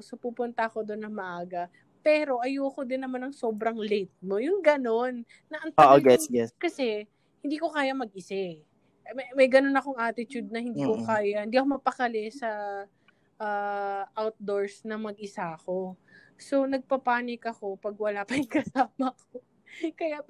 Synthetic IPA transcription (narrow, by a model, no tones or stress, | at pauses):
sopuːpʊnt̪ɐɐko̞d̪onːɐŋmɐʔaːɡɐ | pɛːɾo̞ʔɐjuɐko̞d̪ɪnːɐmanɐŋso̞ːbɾɐŋlet̪̚mojʊŋɡɐno̞nː | ɐʔɐŋt̪oɐɡɛsjɛskɐsɛ | hɪnd̪iːko̞kaːjɐmɐɡ̚ʔɪsɛ | mɐmɐjɡɐno̞nɐko̞ŋʔaːt̪ɪt̪ud̪̚nɐhɪnd̪iːkokaːjɐhɪnd̪iːɐkomɐpɐkɐlɛsɐ | ʔaːʔawt̪̚d̪o̞ɹsnɐmɐɡ̚ʔɪsaɐko̞ | so̞nɐɡ̚pɐpaːnɪkɐko̞pɐɡ̚wɐlapɐɪŋkɐsaːmɐkʰo | kɐja